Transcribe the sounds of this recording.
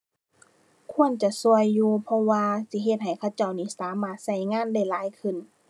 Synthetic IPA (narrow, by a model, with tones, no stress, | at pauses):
kʰu˧˥˨ə˨nt͡ɕa˧su˧˨əjːuː˧pʰɔ˧waː˧si˧˦ɦe˧t̪̚ɦa˨˩jkʰa˧˩wt͡ɕa˧˩wniː˧˩˨saː˨˦maː˧˩t̪̚sa˧˩jŋaː˧˥˨nda˧˥˩jlaː˨˦jkʰɯ˧˩˨n